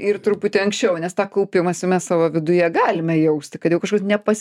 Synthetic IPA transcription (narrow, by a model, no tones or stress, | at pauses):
ɪrt̪ɾʊpʊt̪ʲɪɐŋksʲt͡ʃʲɛʊnʲɛst̪ɑːkɐʊpʲɪmɐsɪmʲɛssɑːʋɐʋʲɪd̪ʊjɛɡɑːlʲɪmʲɛjɛʊsʲt̪ʲɪkɐt̪jɛʊkɐʃkoːsnʲɛpɐsʲ